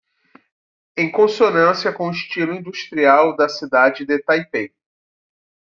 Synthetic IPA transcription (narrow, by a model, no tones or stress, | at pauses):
ẽj̃kõsonɐ̃siɐkõʊiʃt͡ʃilʊĩnd̪uʃt̪ɾiawd̪ɐsid̪ad͡ʒɪd̪et̪ajpẽ